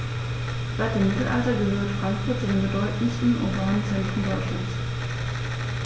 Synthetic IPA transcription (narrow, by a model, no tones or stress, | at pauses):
z̥aɪt̚d̥eːmɪtl̩ʔa̰ltɐɡəhøːɐtfʁ̥aŋkfʊɐt̚t͡sudeːnmbədɔʏtn̩stn̩ʔo̰ːbaːnənt͡sɛntʁ̥əndɔʏtʃlans